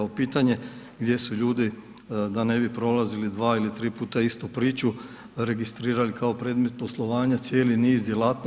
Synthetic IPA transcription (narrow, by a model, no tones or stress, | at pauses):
aopiːt̪aɲe̞ɡd̪je̞suʎuːd̪i | d̪ane̞bipɾo̞lazilid̪ʋaːilit̪ɾiːpuːt̪aist̪upɾiːt͡ʃu | ɾe̞ɡist̪ɾiːɾalikaopɾe̞d̪me̞t̪̚po̞slˠo̞ʋaːɲat̪sje̞ːliniːzd̪je̞laːt̪n